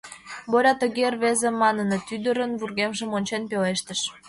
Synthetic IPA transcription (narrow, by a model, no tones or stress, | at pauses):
βoɾʲɑt̪ə̆ɣerβezemɑnənet̪yd̪əɾənβurɣemʒəmonʲt͡ɕenpeleʃt̪əʃ